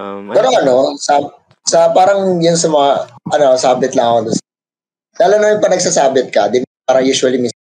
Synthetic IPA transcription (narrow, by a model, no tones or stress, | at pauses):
pɛːɾo̞ʔɐno̞sa | sɐpaːɾɐŋjʊnsɐmɐŋaʔɐno̞saːbɪt̪lamɐd̪ʊns | d̪aːlonɐjʊŋpɐnɐɡ̚saːsaːbɪt̪̚kɐd̪ɪn | aːɾɐjuːʃwɐlimi